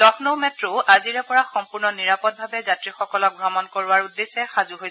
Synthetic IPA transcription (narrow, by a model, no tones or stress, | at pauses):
lɔxʰnowmɛtɹoʔaziɹɛpɔɹaxɔmpuɹnɔniɹapɔt̚bʱabɛzatɹixɔkɔlɔk̚ɡɹamɔnkoɹʊaɹudːesɛxazuɦojs